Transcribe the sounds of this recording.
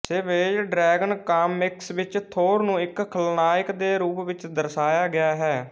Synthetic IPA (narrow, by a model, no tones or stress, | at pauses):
seʋeːd͡ʒɖɾɛːɡənkaːmːɪksʋɪt͡ʃt̪ʰoːɾnũːɪkkʰəlnaːɪkd̪eːɾuːpʋɪt͡ʃd̪əɾsaːjaːɡɪaːɦɛː